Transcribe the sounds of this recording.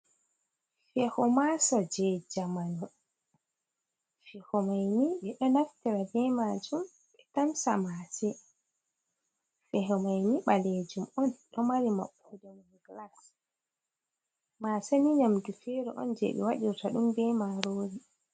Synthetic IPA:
fɛhɔmasɔd͡ʒɛd͡ʒamanɔ | fɛhɔmajniɓɛɗɔnaftiɾabɛmad͡ʒum | ɓɛtamsa̰masɛ | fɛɦɔmajniɓaled͡ʒumɔnɗɔmaɾima̰ɓːɔdɔn | ɡlas | masɛniɲamdufɛɾɔ̰ʔɔ̰nd͡ʒḛɓɛ̰waɗiɾtaɗumbɛmaɾoɾi

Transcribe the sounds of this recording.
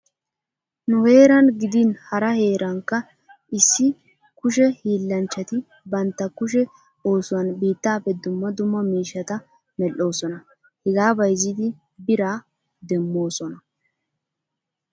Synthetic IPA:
nʊhe̞ːɾɐnɡɪd̪inhɐɾɐhe̞ːɾʔɐŋkːɐ | ɪsːɪ | kʊʃɛhiːlːɐnt͡ʃːɐt̪ɪ | bɐnt̪ːɐkʊʃ̬ɛ | o̞ːsʊwɐnbiːt̪ːaːpːɛd̪ʊmːɐd̪ʊmːɐmiːʃɐt̪ɐ | mɛlːo̞ːsɔnɐ | hɛɡaːbɐjzɪd̪ɪ | bɪɾaː | d̪ɛmːo̞ːsɔnɐ

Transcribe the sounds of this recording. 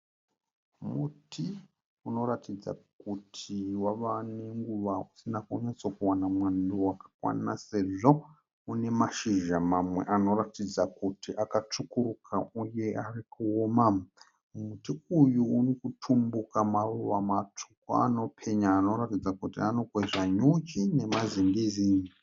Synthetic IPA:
mutʰi | uno̞ɾatʰid͡za̰kutʰiwaʋane̞ŋɡuʋausinakoɲesokuwanamwanduwakḁkwa̰nase̞ʐo̞ | une̞maʃiʒamamwe̞̰ʔano̞ɾatid͡zakutiʔakat͡ʂukuɾukʰauje̞ʔarikuoma | mumutiujuurikutʰumbukamaruʋamatʰu̥ko̰a̰no̞pʰe̞ɲaːno̞ratid͡zakutianokweʐaɲut͡ʃine̞maziŋɡiziːji

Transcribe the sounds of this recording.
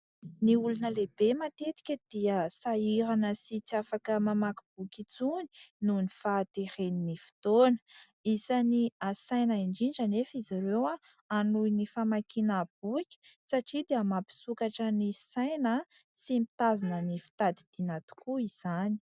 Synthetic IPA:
niulunəlebemat̪et̪i̥kʲəd̪̥iəsaiɾanəsit͡siafakəmamakib̥ukʲit͡suni̥nunifat̪eɾeninifi̥t̪onə̥ | izaniasajnaiɳɖ͡ʐinɖ͡ʐanefizaɾewa | anuinifamakinab̥ukʲi̥saʈ͡ʂid̪iəmapi̥sukaʈ͡ʂənisajnə | simit̪azinənifi̥t̪ad̪id̪̥inat̪u̥kuiz̥ani̥

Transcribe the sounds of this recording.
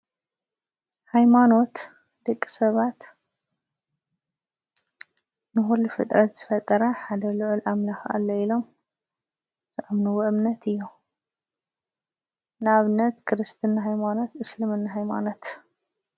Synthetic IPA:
hajmano̞t̪ | d̪̥ɐkʼːi̥sɐβat̪ | nɨxulufɨ̰t̪ʼɾɐt̪z̥ɨfɐt̪ʼːɐɾɐħad̪ɐlɨʕʊlʔamlaxʔa̰lːoilo̞m | zɨʔamnɨwɐʔɨmnɐt̪ʰɨjːu | naβnɐt̪kʰɨɾɨst̪ʰɨnːaɦajmano̞t̪ɨslɨmɨnːaɦajma̰no̞t̪

